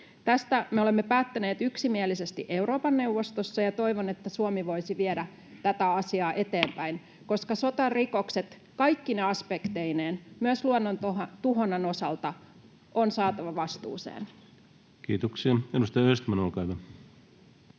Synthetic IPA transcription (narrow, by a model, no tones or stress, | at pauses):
t̪æst̪æmeole̞mːepæːt̪ːæne̞ːt̪yksimielise̞st̪ḭʔe̞uɾo̞ːpɑnːe̞uwʋːo̞st̪osːɑjɑt̪o̞jʋone̞t̪ːæsuomiʋo̞isiʋiedæ | t̪æt̪æɑsiɑːʔe̞t̪e̞ːmpæin | ko̞skɑso̞t̪ɑrriko̞kse̞t̪ | kɑjkːineɑspekt̪eineːnmyøsluonːont̪ot̪uɦo̞nːɑno̞sɑlt̪ɑ | ʔonsɑːt̪ɑʋɑʋɑst̪ṵːsḛːn | kiːt̪oksiɑedust̪ɑjɑøst̪mænolkɑyʋæ